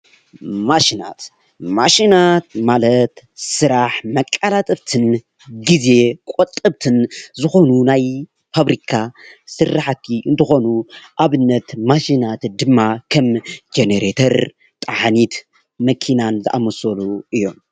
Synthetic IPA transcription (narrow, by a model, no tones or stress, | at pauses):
maʃina̰t̪ | maʃinat̪̚malɐt̪sɨɾaħmɐkʼːalat̪ʼɨβt̪ʰɨn | ɡize̞kʼot̪ʼːɨβt̪ʰɨnzɨxo̞nunaj | faβɾikʰasɨraħat̪ʰːiʔɨnt̪ʰɨxo̞nuʔaβɨnːɐt̪maʃinat̪d̪ɨmːakʰɐmd͡ʒeneɾet̪ʰɐɾ | t̪ʼaħanit̪ | mɐkʰinanzɨʔamɐsoluʔɨjːo̞m